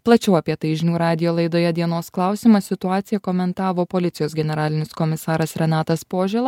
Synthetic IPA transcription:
plˠɐt͡ʃʲɛʊɐpʲiɛt̪ɐɪʒʲɪnʲuːɾɑːd̪ʲɪjoːlˠɐɪd̪oːjɛd̪ʲiɛnoːsklˠɑʊsʲɪmɐsʲɪt̪ʊɑːt̪sʲɪjɛkoːmʲɛnt̪ɑːʋoːpoːlʲɪt̪sʲɪjoːsɡʲɛnʲɛɾɑːlʲɪnʲɪskɔmʲɪsɑːɾɐsɾʲɛnɑːt̪ɐspoːʒʲɛːlˠɐ

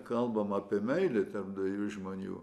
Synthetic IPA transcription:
kɐlˠbɐmɐːpʲɪɛmʲɛɪlʲɪt̪ʲɛpd̪ʋʲɪjuːʒmoːnʲṵː

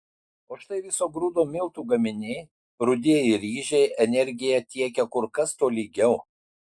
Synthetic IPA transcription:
oːʃt̪ɐɪʋʲɪsoːɡɾuːd̪oːmʲɪlˠt̪uːɡɐmʲɪnʲeː | ɾʊd̪ʲiɛjɪɾʲiːʒʲɛɪɛnʲɛɾʲɡʲɪjɛt̪ʲiɛkʲɛkʊɾkɐst̪oːlʲiːɡʲɛʊ

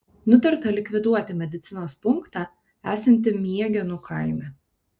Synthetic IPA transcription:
nʊt̪ɐɾt̪ɐlʲɪkʋʲɪd̪uɔt̪ʲɪmʲɛd̪ʲɪt̪sʲɪnoːspʊŋkt̪ɑː | æːsʲɛnʲt̪ʲɪmʲiɛɡʲɛnʊkʰɑˑɪmʲɛ

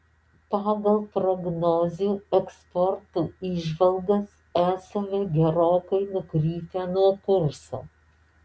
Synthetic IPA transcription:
pɑːɡɐlˠpɾɔɡnɔːzʲuːɛkspɔɾt̪uːiːʒʋɐlˠɡɐs | æːsɐʋʲɛɡʲɛɾoːkɐɪnʊkɾʲiːt̪ʲɛnuɔkʊɾsoː

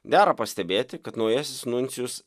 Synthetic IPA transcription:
ɡʲæːɾɐpɐsʲt̪ʲɛbʲeːt̪ʲɪkɐt̪nɒʊjɛsʲɪsnʊnʲt̪sʲɪjʊs

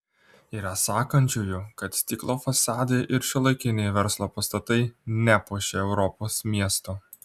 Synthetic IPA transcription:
iːɾɐsɑːkɐnʲt͡ʃʲʊjʊkɐt̪sʲt̪ʲiːklˠoːfɐsɑːd̪ʲeʔɪɾʃʲɪlˠɐɪkʲɪnʲɛjʋʲɛɾslˠoːpɐst̪ɐt̪ɐɪnʲæpuʃʲeɛʊɾɔpoːsmʲiɛst̪oː

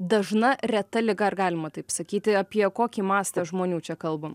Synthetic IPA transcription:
d̪ɐʒnɐrʲɛt̪ɐlʲɪɡɐrɡɑːlʲɪmɐt̪ɐɪpsɐkʲiːt̪ʲɪɐpʲiɛkoːkʲiːmɑːst̪ɐʒmoːnʲuːt͡ʃʲɛkɐlˠbɐ

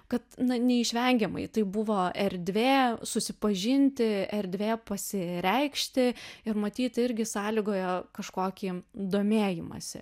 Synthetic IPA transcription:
kɐt̪nɐnʲɛɪʃʲʋʲɛŋʲɡʲɛmɐ̰ɪt̪ɐɪbʊʋoːɛɾʲd̪ʲʋʲeːsʊsʲɪpɐʒʲɪnʲt̪ʲɪɛɾʲd̪ʲʋʲeːpɐsʲɪɾʲɛɪkʃʲt̪ʲɪɪɾmɐt̪ʲiːt̪ɪɾʲɡʲɪsɑːlʲiːɡoːjɛkɐʃkoːkʲiːd̪oːmʲeːjɪmɐ̰sʲɪ̰

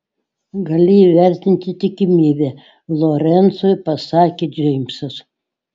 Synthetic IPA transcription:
ɡɐlʲɪiːʋʲæɾʲt̪ʲɪnʲt̪ʲɪt̪ʲɪkʲɪmʲiːbʲe | lˠoɾʲɛnt̪soːjpɐsɑːkʲeːd͡ʒʲɛɪmsɐs

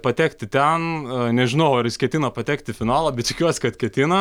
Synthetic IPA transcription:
pɐt̪ʲæːkt̪ʲɪt̪ʲɛnnʲɛʒʲɪnɐʊɐrjɪskʲɛt̪ʲɪnɐpɐt̪ʲɛːkt̪ʲɪfʲɪnɑːlˠɐbʲɛt̪t̪ʲɪkʲuɔsʲɪ̥kɐt̪kʲɛt̪ʲɪnɐ

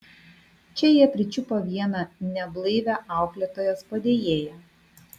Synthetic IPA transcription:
t͡ʃʲɛjiɛpʲɾʲɪt͡ʃʲʊpoʋʲiɛnɐnʲɛblˠɐɪʋʲæʔɑˑʊklʲɛt̪oːjɛspɐd̪ʲeːjeːjɛ

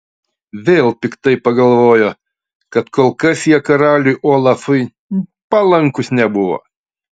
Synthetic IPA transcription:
ʋʲeːlˠpʲɪkt̪ɐɪpɐɡɐlˠʋoːjoː | kɐt̪koːlˠkɐsjiɛkɐɾɑːlʲʊjʔoːlˠɑfʊɪ | pɐlˠɐŋkʊsnʲɛbʊʋo̰ː

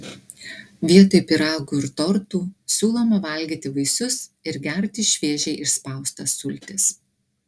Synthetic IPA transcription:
ʋʲiɛt̪oɪpʲɪɾɑːɡuɪɾt̪ɔɾt̪uːsʲuːlˠɔmɐʋɐlʲɡʲiːt̪ʲɪʋɐɪsʊsɪɾɡʲɛɾʲt̪ʲiːʃʲʋʲiɛʒʲɛɪʔɪʃspɐˑʊst̪ɐsʊlʲt̪ʲɪs

